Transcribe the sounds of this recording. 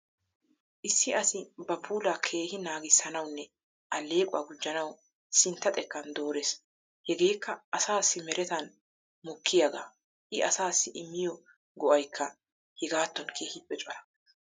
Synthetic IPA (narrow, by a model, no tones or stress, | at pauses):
ʔɪsːɪɐsɪbɐbuːlakʰe̞ːhɪnaːɡɪsːɐnɐwnːɛ | ʔɐlːe̞ːkʼʊ̰wɐ̰ɡʊd͡ʒːɐnɐw | sɪnt̪ːɐt̪ʼɛkːɐnd̪o̞ːɾes | hɛɡe̞ːkːɐʔɐsaːsːɪmɛɾʔɛt̪ɐn | mɔkʰːɪjɐɡa̰ː | ʔɪɐsaːsːɪʔɪmːɪjɔ | ɡɔʔɐjkʰːɐ | hɛɡaːt̪ːɔnkʰeːhɪpːɛt͡ʃʼɔɾɐ